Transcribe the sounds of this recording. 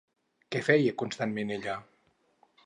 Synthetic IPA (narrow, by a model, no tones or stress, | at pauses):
kɛfɛjekunst̪anmeneʎa